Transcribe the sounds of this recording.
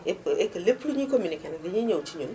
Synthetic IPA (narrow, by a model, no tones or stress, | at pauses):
eekɐlepuɲikominikɛnɛdɪɲiɲowt͡ʃiɲon